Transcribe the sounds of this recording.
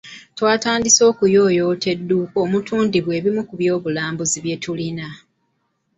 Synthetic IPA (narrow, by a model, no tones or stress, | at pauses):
twaːtaːndiso̞ːkujo̞ːjoːte̞dːukoːmutʰuːndiβwe̞ːβimukuβjo̞ːβulaːmbuziβje̞tʰulina